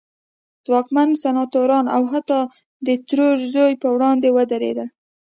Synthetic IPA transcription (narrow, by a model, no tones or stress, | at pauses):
zwɑkmansanɑt̪oɾɑna̰wɦat̪ɑ | d̪ət̪ɾoʒzojpəwɽɑnd̪ewəd̪aɾḛd̪əl